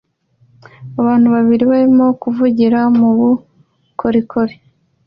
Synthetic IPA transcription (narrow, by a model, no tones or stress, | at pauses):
aβaːn̥huβaβiɾiβaɾimo̞kuvuɟiɾamuβu | kʰoɾikʰoβi